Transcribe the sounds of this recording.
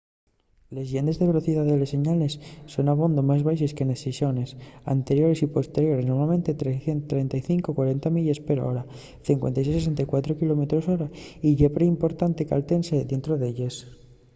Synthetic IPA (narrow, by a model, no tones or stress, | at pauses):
le̞zʝend̪e̞zðe̞β̞e̞lo̞θiðaðelese̞ɲale̞sːo̞naβ̞o̞nd̪omazβajseske̞nesesjo̞ne̞sa̰nt̪e̞ɾjo̞ɾe̞sipo̞st̪e̞ɾjo̞ɾesnomamẽ̞nt̪e̞t̪ɾeθent̪ɾe̞nt̪ajθiŋkokwaɾe̞nt̪amiʎespeɾo̰ɾa | θiŋkwent̪ajses̬es̬ent̪ajkwat̪ɾokilo̞met̪ɾoso̞ɾaiʎepɾeimpo̞ɾt̪ant̪e̞ka̰lt̪e̞nseðe̞nt̪ɾoðeʎes